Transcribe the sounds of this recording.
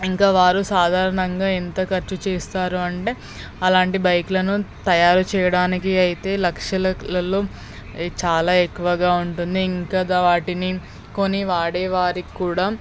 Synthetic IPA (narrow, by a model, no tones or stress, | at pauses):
iŋkaːʋaːɾusaːd̪ʱaːɾɐɳɐŋɡaːint̪ɐkɐɾt͡ʃut͡ʃeːst̪aːɾuɐɳʈe̞ː | ɐlaːɳʈibɐjkulɐnut̪ɐjaːɾut͡ʃɛːjɐɽaːnikiɐjit̪e̞ːlɐkʂɐlɐlɐloː | t͡ʃaːlaːekːuʋɐɡaːuɳʈund̪iːŋkɐd̪aʋaːʈini | ko̞nːiʋaːɽɛːʋaːɾikːuːɽaː